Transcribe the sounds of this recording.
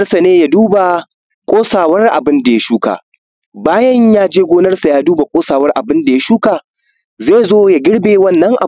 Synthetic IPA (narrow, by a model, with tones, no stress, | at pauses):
rsa˨neː˦ja˦duː˦ba˨ | kʷʼoː˦saː˨wɐ˦rʔa̰˨bɪ˦nda˨ja˦ʃuː˦ka̰ː˨ | baː˦jɐ˦ɲjaː˦d͡ʒeː˦ɡʷoː˦nɐ˦rsa˨jaː˦duː˦ba˨kʷʼoː˦saː˨wɐ˦rʔa˨bɪ˦nda˨ja˦ʃuː˦kaː˨ | zeː˦˨zoː˦ja˦ɡʲɪ˦ɽbeː˨wɐ˦˨nːɐ˦ŋʔa˨